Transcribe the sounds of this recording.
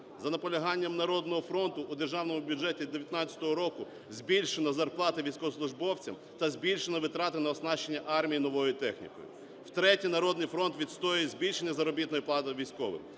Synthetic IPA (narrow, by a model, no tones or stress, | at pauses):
zɐnɐpɔlʲɐɦɑnʲːɐmnɐɾɔd̪nɔɦɔfɾɔnt̪ʊʔud̪erʒɑwn̪ɔmʊbʲjud͡ʒɛtʲid̪eʋjɐt̪nɑt̪ʲt͡sʲɐ̥t̪ɔɦɔɾɔkʊ | zʲbʲilʲʃenɐzɐrplˠɑt̪ɪʋʲijsʲkɔslˠʊʒbɔwt͡sʲɐ̰m | t̪ɐzʲbʲilʲʃenɔʋɪt̪ɾɑt̪ɪnɐɔsnɑt͡ʃːe̞nʲːɐʔɑrmʲijinɔʋɔjʊt̪ɛxnʲḭkɔ̰jʊ̰ | wt̪ɾɛtʲijnɐɾɔd̪nɪjfɾɔnt̪ʋʲit̪st̪ɔjʊjɛzʲbʲilʲʃenʲːɐzɐɾɔbʲit̪nɔjiplˠɑt̪ɪʋʲijsʲkɔʋɪ̰x